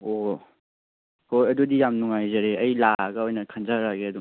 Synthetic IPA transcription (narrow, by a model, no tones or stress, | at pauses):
o | hojɐdudijamnuŋajzɐɾeʔɐjlaaɡɐojnɐkʰanzaɾaɡeɐdu